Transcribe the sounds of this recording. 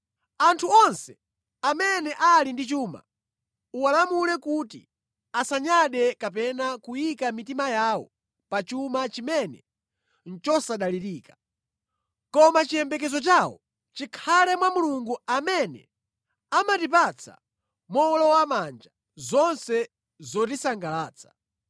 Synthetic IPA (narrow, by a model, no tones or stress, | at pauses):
antʰuɔnsɛ | amɛnɛʔalindit͡ʃuːma̰ | uwalamulɛkutḭ | asaɲaɗɛkapɛnakujikamitimajaːwɔ̰ | pat͡ʃumat͡ʃimɛnɛ̰ | n̩t͡ʃɔsaɗaliɾiːkḁ | kɔmat͡ʃijɛmbɛk̬ɛzɔt͡ʃaːwɔ̰ | t͡ʃikʰalɛmwamuluŋɡuamɛnɛ̰ | amatipat͡sʰa̰ | mɔlɔwamand͡ʒa | zɔnsɛ | zɔtisaŋɡalaːt͡sʰḁ